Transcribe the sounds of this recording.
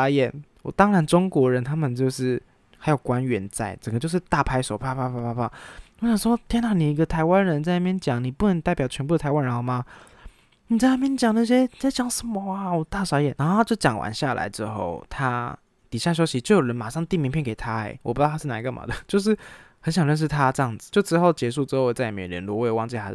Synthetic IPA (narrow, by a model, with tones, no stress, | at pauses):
a˧˥jɛ˨˩nwɔ̰˨˩t̪ɑ˥ŋɻa˧˦nʈ͡ʂʊ˥ŋkwɔ˧˥ɻə˧˦nt̪ʰa˥mə˨nt͡ɕjo˥˧ʊʂɻ̩˥˩ | xa˧˥ɪjo˨˩ʊkwa˦nɥɛ˧˥nt͡sa˥˩ɪʈ͡ʂə˨˩ŋɡə˦t͡ɕjʊʂɻ̩˥˧t̪a˥˩pʰa˥ɪʂo˨˩ʊpʰa˥˧pʰa˥pʰa˥˧pʰa˥˧pʰa˥˩wɕjɑ˨˩ŋʂwɔ˥t̪ʰjɛ˥na˥˩ni˨˩i˧˥ɡə˧t̪ʰa˧˥ɪwa˥˦nɻə˧˥nt͡sa˥˧na˥˩mjɛ˧nt͡ɕjɑ˨˩˦ŋni˨˩pu˥˩nə˧˦ŋt̪a˥˩ɪpjɑ˨˩ʊt͡ɕʰɥɛ˧˥npu˥˩də˩t̪ʰa˧ɪwa˦nɻə˧nxo˥˩ma˨ | ni˨˩t͡sa˥˧ɪa˥˩mjɛ˥˧nt͡ɕjɑ˨˩ŋna˥˩ɕ̬jɛ˥˨t͡sa˥˩t͡ɕjɑ˨˩˦ŋs̩˧˥˩mɔ˧˥a˨˩wɔ˨˩t̪a˥˩ʂɑ˧˥ʊjɛ˨˩na˧˥xo˥˧t͡ɕjo˥˩ʊt͡ɕjɑ˨˩ŋwa̰˧˥nɕja˥˩lʔa̰˧˥ɪʈ͡ʂɻ̩˥xo̰˥˩ʊt̪ʰa˦˥ | t̪i˨˩ɕja˥˩ɕ̬jo˥ʊɕi˧˦t͡ɕo˥˩ʊjo˨˩ɻə˧˦˥nma˨˩ʂɑ˥˩ŋt̪i˥˩mi˧˥ŋpʰjɛ˥˩ŋke˨˩ɪt̪ʰa˥ḛ˨˧˦ɪwɔ˨˩u˥˧˥ʂ̩˥˩na˧˥i˧ɡə˨mʔa̰˨˩d̪ə˩t͡ɕjo˥˧ʊʂ̬ɻ̩˥˩ | xə˧˦nɕjɑ˨˩ŋlɻə˥˧nʂ̬ɻ̩˥˩t̪ʰa˦˥ʈ͡ʂə˧jɑ˥˩ŋd͡zɹ̩˩t͡ɕjo˥˩ʊʈ͡ʂɻ̩˥˧xo˥˩ʊt͡ɕjɛ˧˥ʂ̬u˥˧˩ʈ͡ʂɻ̩˥xo˥˧˥t͡sa˥˩˨mjɛ̰˧˩ɻə̰˧˥nlu˧˩wwɑ˥˧t͡ɕa˧˥